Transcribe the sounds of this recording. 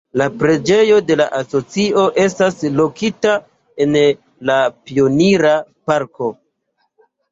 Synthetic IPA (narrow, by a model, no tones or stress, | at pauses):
lapɾe̞d͡ʒe̞jo̞de̞la̰ʔaso̞t͡sio̞ʔe̞staslo̞kita | e̞n | lapio̞niɾapaɾko̞